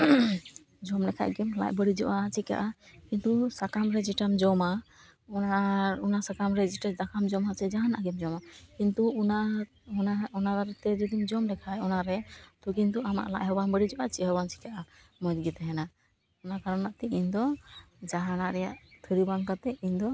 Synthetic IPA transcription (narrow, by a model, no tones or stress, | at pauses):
d͡ʒɔmlɛkʰa̰ʔɡɛmla̰ʔbəɽid͡ʒɔʔat͡ʃika̰ʔakint̪usakamɾɛd͡ʒiʈamd͡ʒɔma | ɔaunasakamɾɛd͡ʒiʈad̪akʰamd͡ʒɔmasɛd͡ʒaɦanaʔɡɛmd͡ʒɔmakint̪una | ɔnaɔnaɾaɾɛt̪ɛd͡ʒɔd̪imd͡ʒɔmlɛkʰajɔnaɾɛt̪ɔk̬int̪uama̰ʔla̰ʔɦɔbanbəɽid͡ʒɔʔat͡ʃiʔɦəbant͡ʃi̥kaʔa | mɔd͡ʒɡit̪ɛɦɛna | ɔnakaɾanaʔt̪ɛiɲd̪ɔ | d͡ʒaɦanaʔɾɛjaʔt̪ʰəɾibaŋkat̪ɛiɲd̪ɔ